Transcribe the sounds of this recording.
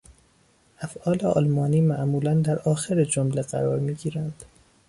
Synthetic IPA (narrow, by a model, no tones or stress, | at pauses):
ʔæfʔɒːleɒ̰ːlmɒːniːmæʔmuːlænd̪æɾɒːxeɾed͡ʒomleɢæ̰ɾɒːɾmiːɡiːɾænd̪̥